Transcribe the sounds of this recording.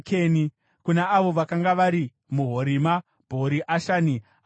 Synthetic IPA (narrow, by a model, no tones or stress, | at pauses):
keni | kunaːʋo̞ʋakaŋɡaʋaɾi | muɦo̞ɾima | bʱo̞ɾiʔaʃaːni